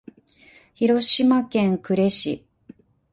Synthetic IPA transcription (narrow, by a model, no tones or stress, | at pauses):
çiɾo̞ɕimakẽ̞ŋkɯ̟ɾe̞ɕḭ